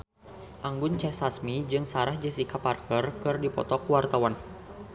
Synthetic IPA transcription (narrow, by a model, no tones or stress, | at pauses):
ʔaŋɡʊnt͡ʃɛsasmid͡ʒɨŋsaɾahd͡ʒəsikaparkərkɨrdipɔ̰t̪ɔkuwart̪awan